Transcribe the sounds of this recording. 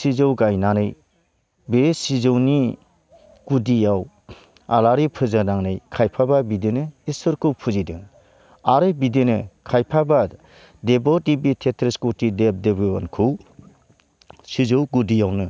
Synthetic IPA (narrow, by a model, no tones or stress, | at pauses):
sizɯwɡajnanɯj | besizɯwni | ɡ̥udijaw | alaɾipʰɯzɯnaŋnɯjkʰajpʰababidenɯisɯɾkɯwpʰuzidɯŋ | aɾɯbidenɯkʰajpʰaba | debɔdibitʰetʰɾiskutidep̚debɯa̰nkʰɯw | sizɯwɡudijawnɯ